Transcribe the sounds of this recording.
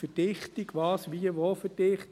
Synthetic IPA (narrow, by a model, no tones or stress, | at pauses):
fəd̥ɪχt̪iɡʋɑːsʋiəʋofəd̥ɪχt